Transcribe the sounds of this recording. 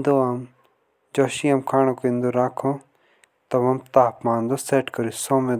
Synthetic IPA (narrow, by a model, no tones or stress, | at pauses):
nd̪oaːm | d͡ʒoːʃiamkʰaːnõkːĩnd̪oːɾaːkʰõː | t̪ɐʋɐmt̪aːpmãːnd̪oːseːʈkɐɾusõːmẽː